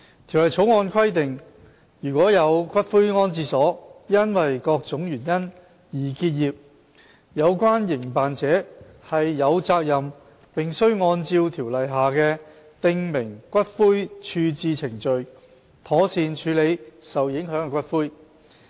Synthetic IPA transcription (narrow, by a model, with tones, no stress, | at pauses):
t̪ʰi˨˩wlɐ˨˩jt͡sʰo˨˥wŋɔː˧nkʰɐ˥jt̪ɪ˨ŋ | jyː˨˩kʷɔː˨˥jɐ˨˧wkʷɐ˥t̚fuː˥jŋɔː˥nt͡siː˧sɔː˨˥jɐ˥nwɐ˨jkɔː˧k̚t͡sʊ˨˥ŋjyː˨˩njɐ˥n | jiː˨˩kiː˧t̚jiː˨p̚ | jɐ˨˧wkʷaː˥njɪ˨˩ŋpaː˨nt͡sɛː˨˥ | hɐ˨jːɐ˨˧wt͡saː˧k̚jɐ˨m | pɪ˨ŋsɵ˥ɥŋɔː˧nt͡siː˧wt̪ʰiː˨˩wlɐ˨jɦaː˨kɛː˧ | t̪ɪ˧ŋmɪ˨˩ŋkʷɐ˥t̚fuː˥jt͡ʃʰyː˧t͡siː˧t͡sʰɪ˨˩ŋt͡ʃɵ˨ɥ | t̪ʰɔː˨˥siː˨˧nt͡ʃʰyː˨˧le˨˧jsɐ˨wjɪ˨˥ŋɦœː˨˥ŋɛ˨˧kʷwɐ˥t̚fuː˥j